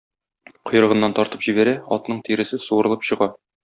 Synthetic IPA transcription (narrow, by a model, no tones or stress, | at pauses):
qʰŏj̆ɾɤ̆ʁɤ̆nːɑnt̪ɒɾt̪ɤpʑibæɾæɒ̰t̪nɤɴt̪iɾɘ̆sɘsuɤ̆ɾɤ̆lˠɤpɕɤ̆ʁɑ